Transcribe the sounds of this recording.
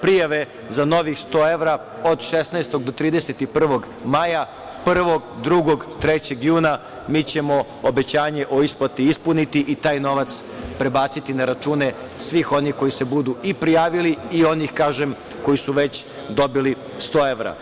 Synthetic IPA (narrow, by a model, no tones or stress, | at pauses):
pɾijaʋe̞ | zano̞ʋixst̪o̞ːe̞ʋɾa | od̪ʃesnast̪o̞ɡ̚d̪ot̪ɾiːd̪eset̪ipr̩ʋo̞ɡ | maja | pr̩ʋo̞ɡd̪ɾuɡo̞ɡt̪ɾet͡ɕe̞ɡjuːna | miːt͡ɕe̞mo̞ | obe̞t͡ɕaːɲe̞ʔo̞isplat̪iispunit̪iʔit̪aːjno̞ʋat̪s | pɾe̞baːt̪sit̪inaɾat͡ʃuːne̞ | sʋiːxo̞nixko̞jisebud̪uipɾijaːʋiliio̞nixkaːʒem | ko̞jisuʋet͡ɕ | d̪o̞bili | st̪o̞ːe̞ʋɾa̰